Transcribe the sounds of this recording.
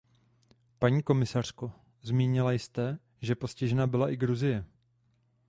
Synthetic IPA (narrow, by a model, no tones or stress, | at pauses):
paɲiːko̞mɪsar̝̥ko̞ | zmiːɲɪlajst̪ɛ | ʒɛpo̞scɪʒɛnabɪlaʔɪɡɾuzɪjɛ